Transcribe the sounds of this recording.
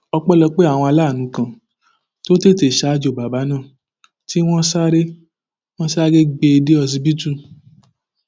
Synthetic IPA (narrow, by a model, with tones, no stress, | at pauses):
ɔ˧k͡pɔ˦lɔ˧k͡pe˦a˦˨w̃ɔ̃˧a˧laː˦˨nũ˨˦kã˨ | to˦te˦˨te˨ʃa˧˨˧d͡ʒo˨ba˨ba˨˦nãː˦˨ | ti˦w̃ɔ̃˦sa˦ɾe˦ | w̃ɔ̃˦sa˦ɡe˦ɡ͡be˧de˦ɔ˧zi˧bi˦tũ˦